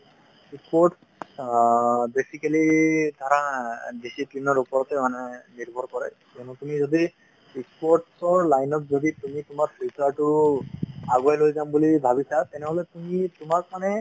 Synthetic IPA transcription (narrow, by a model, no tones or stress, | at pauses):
ikspɔɹʈ | besikalid̪ʱaɾãdisiplinɔɹupɔɹɔt̪ɛmanɛniɹbʱɔɾkɔɹɛkɛnutumizɔdi | ikspɔɹʈsɔɹlajnɔt̚zɔditumitʊmaɹpʰiltaɹʈʊɹ | aɡuajlojzambulibʱabisat̪ɛnɛɦɔlɛtumitʊmak̚manɛ